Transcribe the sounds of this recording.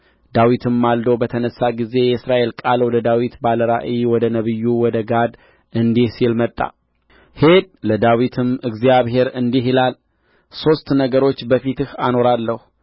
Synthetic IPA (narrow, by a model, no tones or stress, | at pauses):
d̪̥awit̪ʰɨmːald̪əwbət̪ʰənəsːaɡize̞jɛsɾaʔe̞lkʼalwɔd̪əd̪awit̪baləɾa̰ʔiwɔd̪ənəβɨjːuwɔd̪əɡad̪ | ɨnd̪ihsilmət̪ʼːa̰ | hed̪̚ləd̪awit̪ʰɨmɨɡzijaβɦe̞ɾɨnd̪iɦilal | so̞st̪nəɡəɾo̞t͡ʃːbəfit̪ɨhano̞ɾalːəhu